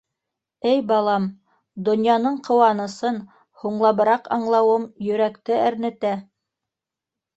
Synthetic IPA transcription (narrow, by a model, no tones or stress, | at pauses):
ɘjbɑlˠɑm | d̪ŏnjɑnɤɴqŏwɑnɤ̆sɤn | huɴlˠɑβɤ̆ɾɑqɑɴlˠɑwɤmjɵ̆ɾækt̪ɘæɾnɘ̆t̪æ